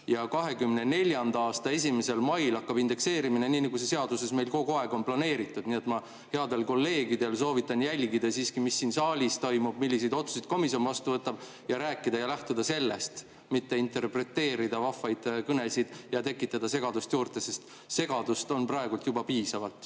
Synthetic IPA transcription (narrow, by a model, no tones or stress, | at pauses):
jɑkɑɦe̞kymːne̞ne̞lʲjɑnd̪ɑɑːst̪ɑe̞s̬ʲime̞se̞lmɑjlɑkːɑbind̪̥e̞kse̞ːɾimine̞niːnɑɡus̬e̞se̞ɑd̪̥use̞sme̞jlko̞ɡoɑeɡ̥o̞nplɑne̞ːɾit̪ːˑud̪̥niet̪mɑ | he̞ɑd̪e̞lko̞lːe̞ːɡid̪̥e̞lso̞ːvit̪ːˑɑnjælʲɡid̪ɑsiːskimisːiːnsɑːlʲist̪o̞jmub̥milʲːis̬ed̪o̞t̪su̥sid̪̥ko̞misio̞nvɑst̪uvɤt̪ːˑɑb̥ | jɑɾæːkːˑid̪ɑjɑlæht̪ud̪̥ɑse̞lːe̞st̪ | mit̪ːe̞int̪e̞rpre̞t̪ːe̞ːɾid̪ɑvɑfɑjd̪̥kɤne̞sid̪̥jɑt̪e̞kːˑit̪ːˑɑd̪̥ɑse̞ɡ̥ɑd̪ust̪juːrt̪ˑe̞se̞st̪ | se̞ɡ̥ɑd̪ust̪o̞nprɑeɡult̪jubɑpiːsɑvɑlt̪ˑ